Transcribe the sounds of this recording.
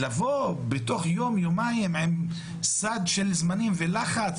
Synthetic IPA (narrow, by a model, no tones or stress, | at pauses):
lavobet̪o̞χjo̞mjomaimʕem | sad̪ʃelzmanimvelaχat͡s